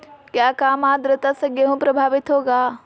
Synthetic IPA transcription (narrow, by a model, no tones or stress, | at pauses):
kjaːkaːmaːd̪ɾət̪asəɡeɦũpɾɐbʱaːʋɪt̪ɦoːɡaː